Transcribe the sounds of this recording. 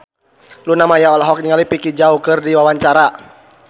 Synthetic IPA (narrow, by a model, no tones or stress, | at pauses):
lunamajaɔlɦɔk̚niŋalipikid͡ʒaukɨrdiwawaɲt͡ʃaɾa